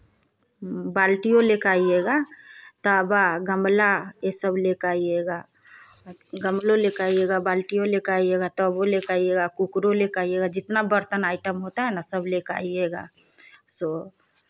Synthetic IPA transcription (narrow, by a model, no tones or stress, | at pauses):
baːlʈijolekaːijeɡat̪əbaɡəmlaesəblekaːieɡa | ɡəmlolekaːijeɡabaːlʈijolekaːijeɡat̪ɔbolekaijeɡakukɾolekaːijeɡad͡ʒɪt̪nabəɾt̪ənaːɪʈəmɦot̪aɦɛnasəbleka̰ːijeɡa̰ː | so